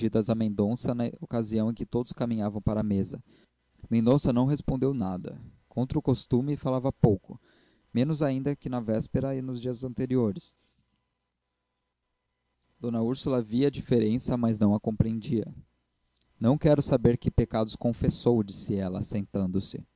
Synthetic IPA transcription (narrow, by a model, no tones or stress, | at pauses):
id̪ɐzɐmẽnd̪õsɐnɐokaziɐ̃w̃ẽkɪt̪od̪ʊskamĩɲavɐ̃w̃paɾɐːmezɐ | mẽnd̪õsɐnɐ̃w̃ɦespõnd̪ewnad̪ɐ̰kõnt̪ɾʊkost̪ũmɪfalavɐpowkʊ | mẽnʊzaĩnd̪ɐkɪnɐvɛspeɾɐɪnʊzd͡ʒiɐzɐ̃nt̪eɾioɾɪs | d̪̥õnɐuɾsulɐviɐd͡ʒifeɾẽsɐmɐznɐ̃w̃ɐkõpɾiẽnd͡ʒiɐ̰ | nɐ̃w̃kɛɾʊsabeɾkɪpekad̪ʊskõfesowd͡ʒisɪɛlɐ̰sẽnt̪ɐ̃nd̪ʊsɪ̰